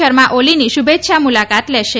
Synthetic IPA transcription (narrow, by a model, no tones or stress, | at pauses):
əɾmãʔoliniʃubʱet̪ːʃamulakat̪leʃe